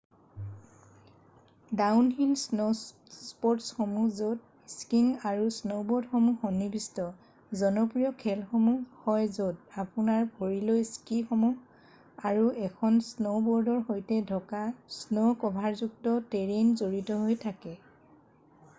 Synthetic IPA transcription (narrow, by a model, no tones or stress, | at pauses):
dawnɦinsno | spɔɹtsxomuzod̚ | skiŋaɹusnowbɔɹdxomuxɔnibʱistɔ | zɔnɔpɹijɔkʰɛlxomuhɔjzodapunaɹbʱoɹilojskixɔmuɡ | aɹuʔɛkʰɔnsnobɔɹdɔɹxojtɛdʱɔkasnokɔbʱaɹzuk̚tɔteɹenzoɹitɔɦojtʰakɛ